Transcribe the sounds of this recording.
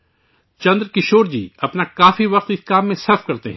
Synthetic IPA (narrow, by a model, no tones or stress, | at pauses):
t͡ʃɐ̃nd̪ɾkɪʃoːɾd͡ʒḭːɐpnakaːfiʋɐq̚t̪ɪskaːmːẽsɐɾfkɐɾt̪ḛɦɛ̃